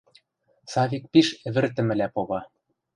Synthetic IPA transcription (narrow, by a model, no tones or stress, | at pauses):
sɑβʲik̚piʃɘ̆βɘ̆rt̪̬ɘ̆mɘ̆læpoβɑ